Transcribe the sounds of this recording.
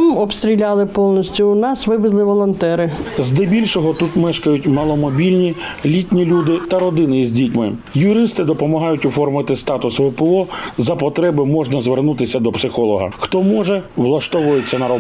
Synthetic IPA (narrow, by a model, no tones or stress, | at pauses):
mɔpst̪ɾʲilʲɑlˠɪpɔlˠnɔsʲtʲʊːnɑsʋɪbɪzlˠɪʋɔlˠɔnt̪ɛɾɪzd̪ɛbʲilʲʃɔɦɔt̪ut̪mɛʃkɐjʊtʲmɐlˠɔmɔbʲilʲnʲi | lʲitʲnʲilʲud̪ɪt̪ɐɾɔd̪ɪnɪjizʲdʲitʲmɪjʊɾɪst̪ɪd̪ɔpɔmɐɦɑjʊtʲʊfɔrmɐt̪ɪst̪ɑt̪ʊsʋʊpɛɔzɐpɔt̪ɾɛbɪmɔʒnɐzʋernut̪ɪsʲɐd̪ɔpsɪxɔlˠɔɦɐ̰xt̪ɔmɔʒɛʋlˠɐʃt̪ɔʋʊjet͡sʲːɐnɐɾɔ